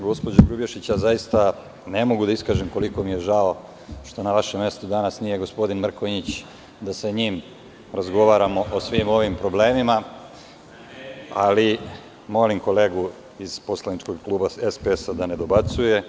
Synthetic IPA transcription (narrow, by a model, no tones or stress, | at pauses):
ɡo̞spo̞d͡ʑoɡɾubjeʃit͡ɕjazajist̪a | ne̞mo̞ɡud̪aiskaːʒemko̞liko̞mije̞ʒao | ʃt̪o̞naʋaʃemːje̞st̪ud̪anasnije̞ɡo̞spo̞d̪inmr̩koɲit͡ɕ | d̪asaɲim | ɾazɡo̞ʋaːɾamo̞ʔosʋimo̞ʋimpɾo̞ble̞ːmima | ali | mo̞limko̞le̞ːɡu | iz̥po̞slˠanit͡ʃko̞ɡklˠuːbaespeesad̪ane̞d̪o̞bat̪suje̞